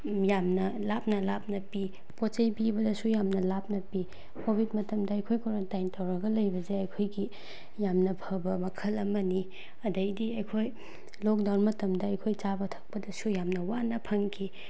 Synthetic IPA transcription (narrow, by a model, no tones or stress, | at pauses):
jamnɐlap̚nɐlap̚nɐpi | pot͡ʃɐjbibɐdɐsujamnɐlap̚nɐpi | kobʱit̚mɐtɐmdɐɐjkʰojkoɾontajntɐwɾɐɡɐlɐjbɐzeɐjkʰojɡi | jamnɐpʰɐbɐmɐkʰɐlɐmɐni | ɐdɐjdiɐjkʰoj | lok̚dawnmɐtɐmdɐɐjkʰojt͡ʃabɐtʰɐ̥k̚pɐdɐsujamnɐwanɐpʰɐŋkʰi